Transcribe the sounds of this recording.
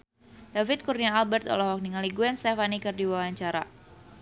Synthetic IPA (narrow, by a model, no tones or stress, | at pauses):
d̥afɪt̪̚kurniaalbɛrt̪ɔ̰lahwak̚niŋaliɡuɛnst̪efanikɨrdiwawaɲt͡ʃaɾa̰